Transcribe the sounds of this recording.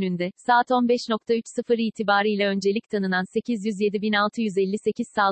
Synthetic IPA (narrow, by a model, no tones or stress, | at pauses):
nynd̪ɛsaːt̪o̞nbɛʃno̞k̚t̪ʰayt͡ʃsɯfɯɾiːt̪ʰibaːɾɯjlʲɛø̞nd͡ʒe̞lʲic̚t̪ʰanɯnanse̞cʰizjyzje̞d̪ibinalˠt̪ʰɯjyzɛlʲːise̞ciz̥saː